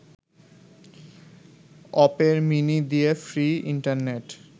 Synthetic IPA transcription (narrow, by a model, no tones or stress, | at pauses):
ɔpeɾminid̪iefɾiiɳʈaɾneʈ